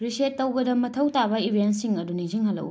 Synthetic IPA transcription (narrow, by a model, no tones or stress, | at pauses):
ɾiseːɐwɡɐdɐmːɐtʰɐwtabɐibʱiens̬iŋɐduniŋziŋhɐlːɐ̰w